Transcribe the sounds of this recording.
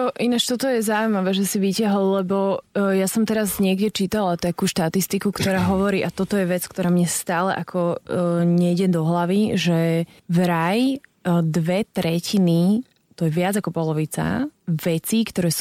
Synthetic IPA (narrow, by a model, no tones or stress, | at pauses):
ɔʔinat͡ʃt̪ɔt̪ɔjɛzaʊimaʋɛːʒɛsiʋicaɦɔlːɛbɔjasɔmt̪ɛɾazɲɪɛɡɟɛt͡ʃiːt̪alat̪akuːʃt̪at̪ist̪ikukt̪ɔɾaːɦɔʋɔɾiːʔat̪ɔt̪ɔjɛʋɛt͡skt̪ɔɾaːmɲɛst̪aːlɛ̰ʔakʰɔɲɛɟɛd̪ɔɦlaʋiʒɛ | vɾajd̪ʋɛt̪ɾɛcʰini | t̪ɔjɛʋɪad͡zakɔpɔlɔʋit͡sa̰ʋɛt͡sikt̪ɔɾɛːs